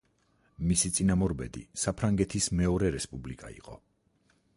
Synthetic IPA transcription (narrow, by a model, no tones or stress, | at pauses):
misit̪sʼinamɔɾbɛd̪ḭsapʰɾaŋɡɛt̪ʰismɛɔɾɛɾɛspʼublikʼa̰ḭqʼɔ̰